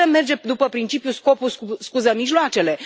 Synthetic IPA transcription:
eme̞rd͡ʒe̞d̪upəpɾint͡ʃipjusko̞pususkuzəmiʒloat͡ʃe̞le̞

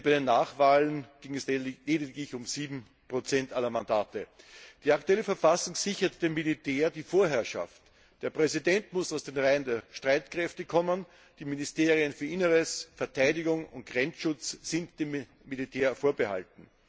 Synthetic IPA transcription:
bæɪdenːaːχvaːlənɡ̥ɪŋɛsleːdɪtlɪçʊmziːbm̩ | pʁ̥ot͡sɛntʔalːɐmandaːtəd̥iːaktuɛləfɛɐfasʊŋz̥ɪçɐtd̥eːmːilitʰeːɐdiːfoːɐɦɛɐʃa̰ft | d̥eːɐpʁ̥ɛzidɛntmʊsaʊsd̥eːnʁaɪəndeːɐʃtʁ̥aɪtkʁɛftəkʰɔmən | d̥iːminɪsteːʁiənfyːɐʔɪnəʁəsfɛɐtʰaɪdɪɡʊŋʊ̰nt̚ɡ̥ʁɛnt͡sʃʊt͡ssɪntd̥eːmː | ilitʰeːɐfoːɐbəha̰ltn̩

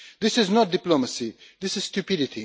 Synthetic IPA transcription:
d̪ɪsɪznɔt̚dɪploməsid̪ɪsɪz̥stupɪdɪtʰḭ

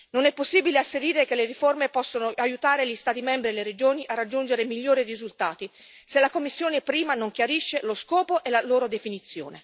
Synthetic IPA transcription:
nonɛpːosːiːbileasːed̪iːɾekelːeɾiformepɔsːonoʔajut̪aːɾeʎist̪aːt̪imɛmbɾieleɾed͡ʒoːniʔarːad͡ʒːund͡ʒeɾemiʎːoːɾirizult̪aːt̪i | selːakomːisːjoːnepɾiːmanoŋk̟jaɾiʃːeloskɔːpoʔelaloːɾod̪efinit̪sːjo̰ːne

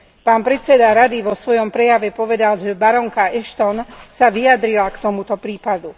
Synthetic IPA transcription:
paːnpɾɛt̪t͡sɛd̪aɾad̪iʋɔsʋɔjɔmpɾɛjaʋɛpɔʋɛd̪alʒɛbaɾɔŋkaɛʃt̪ɔnsaʋiad̪ɾilakt̪ɔmut̪ɔpɾiːpad̪u

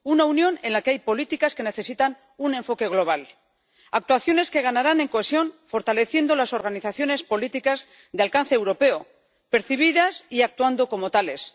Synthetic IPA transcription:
unaunjo̞ne̞nlakeajpo̞lit̪ikaske̞ne̞θe̞sit̪an | unẽ̞ɱfo̞ke̞ɣ̞lo̞β̞al | ak̚t̪waθjo̞ne̞ske̞ɣ̞anaɾane̞ŋko̞esjo̞nfo̞ɾt̪ale̞θje̞nd̪o̞laso̞ɾɣ̞aniθaθjo̞ne̞spo̞lit̪ikaz | ðealkan̟θeːwɾo̞pe̞o | pe̞ɾθiβ̞iðasiak̚t̪wand̪o̞ko̞mo̞t̪ale̞s

